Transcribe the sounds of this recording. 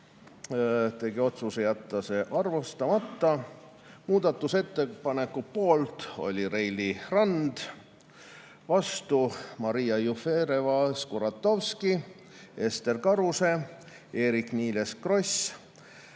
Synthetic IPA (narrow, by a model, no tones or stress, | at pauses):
t̪e̞ɡio̞t̪susejæt̪ːˑɑse̞ʔɑrvost̪ɑmɑt̪ːɑ | muːd̪̥ɑt̪ːˑuse̞t̪ːe̞pɑne̞kːˑupo̞ːlt̪o̞̰lʲiɾejlirɑnd̪̥ | vɑst̪umɑɾijɑjufeːɾevɑskuɾɑt̪ːˑo̞vski | e̞st̪e̞rkɑɾuse̞ | e̞ːɾikniːle̞skro̞s